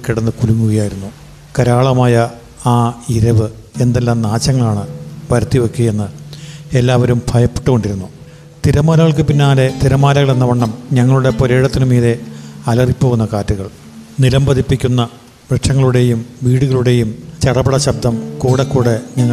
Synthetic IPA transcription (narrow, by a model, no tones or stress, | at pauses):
kːiɽɐnːɨkuluŋːuɣɐjaːjiɾunːu | kɐɾaːɭɐmaːjɐ | aːiɾɐʋɨ | e̞nd̪elːaːmnaːt͡ɕːɐŋːɐɭaːɳɨʋɐɾɐt̪ːiʋɐkːuje̞nːɨe̞lːaːʋɐɾumbʱɐjɐpːe̥ʈːuko̞ɳɖiɾunːu | t̪iɾɐmaːlɐɣɐɭk̬ɨpinːaːle̞t̪iɾɐmaːlɐɣɐɭe̞nːɐʋɐɳːɐmɲɐŋːɐɭuɽe̞poɾe̞ːɽɐt̪ːinɨmiːðeɐlɐripːo̞ːɣunːɐkaːtːuɣɐɭ | nilɐmbɐðipːikʲːunːɐ | ʋɾeʈʂɐŋːɐɭuɽe̞jumʋiːɽuɣɐɭuɽe̞jumt͡ɕɐɽɐbɐɽɐɕɐb̚d̪ʱɐmkuːɽɐkːuːɽeɲɐŋːɐ